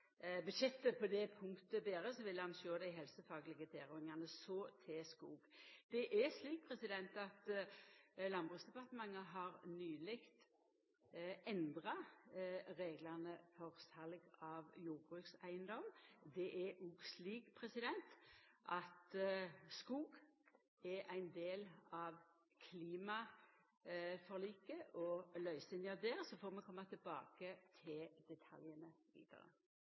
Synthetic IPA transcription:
bʉd̪ʃɛt̪ːəpʰɔd̪ɛpʰʊŋkt̪əbeːɾəsɔʋɪlhɑnʃøːd̪æɪɦɛlsəfɑːɡəlɪɡət̪ʰeːʁɔːɪŋɑnəsɔt̪ʰɛskuːɡd̪̥ɛʔɛsliːk̚pʰʁɛsɪd̪ɛnt̪ɑt̪ | lɑnbʁʉːksd̪ɛpɑʁt̪əmɑŋːəɦɑɾnyːlɪkt̪ | ɛnd̪ʁɑ | ɾeːɡlɑnəfɔʁsɑlɡɑʋjuːʁbʁʉːksæɪənd̪ɔmd̪ɛʔɛuːɡsliːɡpʰʁɛsɪd̪ɛnt̪ʔɑt̪skuːɡ | ɛʁæɪnd̪eːlɑʋ | kʰliːmɑ | fɔʁliːkəʔɔlœʏsɪnɑd̪ɛːʁsɔfoːɾmɛkʰɔmːɑt̪ʰɪlbɑ̰ːkət̪ʰɪld̪ɛt̪ʰɑ̰ljənəʋḭːd̪̥ɑ̰ʁə̰

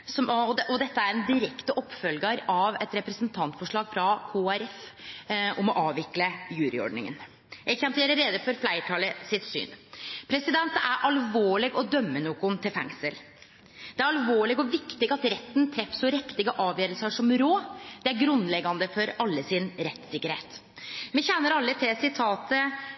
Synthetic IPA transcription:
sɔmɔʔɔd̪ɛt̪ːəæɾɛnd̪ɪɾɛkt̪əʔɔpːfœlɡɑɾɑʋɛt̪ɾɛpɾɛsənt̪ʰɑnt̪fɔʂɭɑːɡfɾɑkʰoːæɾɛf | ʔɔmɔʔɑːʋɪkləjʉːɾɪ̰ɔ̰ɖnɪ̰ŋə̰n | jæɛnt̪jeːɾəɾeːd̪əfɔɾflæɪʈʰɑləsɪt̪sy̰ːnpʰɾɛsɪd̪ɛnt̪æɾʔɑlʋoːɭɪɡɔd̪œmːənuːkʊnt̪ʰɪlfɛ̰ŋsəl | d̪̥ɛæɾɑlʋoːɭɪɡɔʋɪkt̪ɪɡɑt̪ɾɛt̪ːənt̪ʰɾɛfsɔɾɛkt̪ɪɡəʔɑːʋjøːɾəlsəʂɔmɾoːd̪̥ɛæɾɡɾʉnlɛɡːɑnd̪əfɔɾɑlːəsɪnɾɛt̪ːsɪkːəɾhḛːt̪ | mɛçɛnːəɾɑlːət̪ʰɪsɪt̪ʰɑːt̪ə

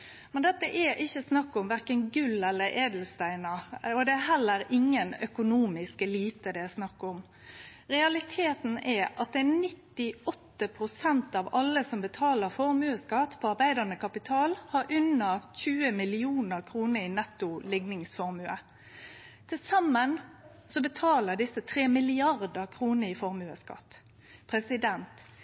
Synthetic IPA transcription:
mɛnd̪ɛt̪ːəʔɛʔɪçːəsnɑkːɔmʋæʁkənɡʉlɛlːəɾʔeːd̪l̩st̪æɪnəɔd̪ɛæɦɛlːəɾɪŋːənœkʊnuːmɪskɛliːt̪əd̪ɛæsnɑkːɔm | ɾɛɑlɪt̪ʰeːt̪n̩ɛɑt̪̚d̪ɛɛnɪt̪ːɪɔt̪ːəpʰɾʊsɛnt̪ɑʋɑlːəsɔmbət̪ʰɑːləɾfɔʁmʉːəskɑt̪pʰɔɑɾʁbæɪd̪əʁnəkʰɑpɪt̪ʰɑːlhɑɾʔʉnəçʉːəmɪlɪuːnəʁkʰɾuːnəɾinɛt̪ːʊlɪɡnɪŋsfɔɾmʉə | t̪ʰːɪlsɑmːən | sɔbət̪ʰɑːləd̪ɪsət̪ʰɾeːmɪlɪɑʁd̪əkʰɾuːnəɾɪfɔɾmʉːəskɑ̰t̪ː | pʰɾɛsɪd̪ɛnt̪

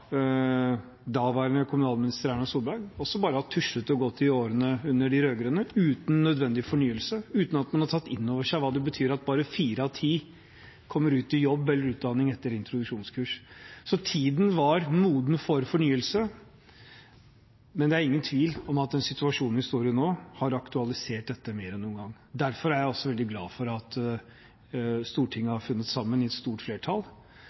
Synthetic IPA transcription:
d̪ɑːʋæɾənəkʰʊmʉnɑːlmɪnɪst̪əɾæɳɑsuːlbæɾɡɔsːɔbɑːɾəhɑt̪ʰʉʂət̪ɔɡɔt̪ʰːɪoːɾənəʉnːəɖɪɾøːɡəɾənəʉːt̪n̩ːœd̪ʋɛnd̪ɪfɔɳyːəlsəʉːt̪n̩ɑt̪mɑnhɑʈʰɑt̪ːɪnːɔːʋəʂæɪʋɑːd̪ɛbət̪ʰyːɾɑt̪̚bɑːɾəfiːɾəɑʋt̪ʰiː | kʰɔmːəɾʉːt̪ɪjɔbːɛlːəɾʉːt̪̚d̪ɑnːɪŋɛt̪ːəɾɪnt̪ɾʊd̪ʉʂuːnskʰʉːʂsɔt̪ʰiːd̪n̩ʋɑɾmuːd̪n̩fɔɾfɔɳyːəlsə | mɛnd̪ɛæɾɪŋːənt̪ʰʋiːlɔmɑt̪̚d̪ɛnsɪt̪ʉɑʂuːnnʋɪhɪst̪uːɾɪənoːhɑɾɑkt̪ʉɑlɪseːʈ̚d̪ɛt̪ːəmeːɾɛnːuːənɡɑŋː | d̪æɾfɔɾæɾjæɪɔsːɔʋɛld̪ɪɡlɑ̰ːfɔɾɑt̪ | st̪uːʈʰɪŋːəhɑɾfʉnːət̪sɑmːənɪɛt̪st̪uːʈfleːʈʰɑl

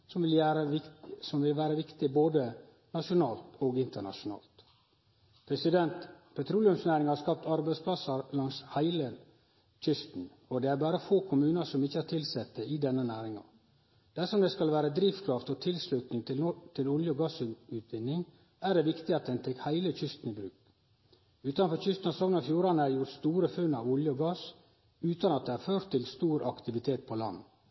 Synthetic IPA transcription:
ɔmɪlæɾəɪsɔmʋɪlʋæːɾəʋɪkt̪ɪboːd̪ə | nɑʂʊnɑːlt̪ʰoːɡɪnt̪əɳɑ̰ʂʊnɑ̰ːlt̪ | pʰɾɛsɪd̪ɛnt̪pʰɛt̪ʰɾuːlɪʉmsnæːɾɪŋhɑɾskɑp̚t̪ɑɾbæɪspʰlɑsəɾlɑŋshæɪlə | tʰʏst̪n̩ | ɔd̪ɛæɾbɑːɾəfoːkʰʊmʉːnəsɔmɪçːəɑt̪ʰɪlsɛt̪ːəɪd̪ɛnːənæːɾɪŋɑ̰ | d̪̥æʂɔmd̪ɛskɑlʋæːɾəd̪ɾiːfkʰɾɑft̪ɔt̪ʰɪlslʉt̪nɪŋt̪ɪt̪ʰɪlʊljəɔɡɑsʉːt̪ʋɪnːɪŋ | æːɖɛʋɪkt̪ɪɑt̪̚d̪ɛnt̪ʰɛkːhæɪləc͡çʏst̪n̩ɪbɾʉːk | ʉːt̪ɑnfɔɾçʏst̪n̩ɑsɔŋnɑfjuːɾɑnəæɾjʊʈ̪st̪uːɾəfʉnːɑʋʊljəɔɡɑːs | ʉːt̪ɑnɑt̪̚d̪ɛæɾføːɾt̪ʰːɪlst̪uːɾʔɑ̰kt̪ɪʋɪt̪ʰeːt̪̚pʰɔlɑ̰nː

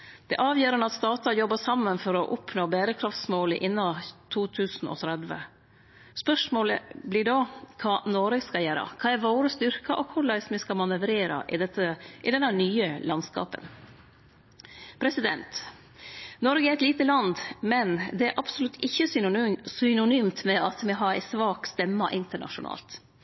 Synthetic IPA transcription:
d̪̥ɛ̰ʔɑːʋjøːɾənɑt̪st̪ɑːt̪ɑjɔbːɑʂɑmːənfɔɾɔʔʊpʰnoːbæːɾəkʰɾɑft̪smoːləʔɪnːɑt̪ʰuːt̪ʰʉːsn̩ʔɔ̰t̪ʰɾɛd̪ʋə̰ | spœʂmoːlə̰blɪɖokʰɑːnoːɾəɡskɑjæːɾɑ̰kʰɑːæɾʋoːɾəst̪ʏɾkɑʔɔkʰʊɖæɪsmɪskɑmɑnəʋɾeːɾɑ̰ʔɪd̪ɛt̪ːəʔɪd̪ɛnːənyːəlɑnskɑ̰ːpə̰n | pʰɾɛsɪd̪ɛ̰nt̪ | nɔɾɡəæɾɛt̪liːt̪əlɑnd̪mɛnd̪ɛæɾʔɑpsʊlʉt̪ʰːɪçːəsʏsʏnʊnyːmt̪mɛʔɑt̪mɛɦɑɾæɪsʋɑːkst̪ɛmːɑʔɪnt̪əɳɑ̰ʂʊ̰nɑ̰ːlt̪

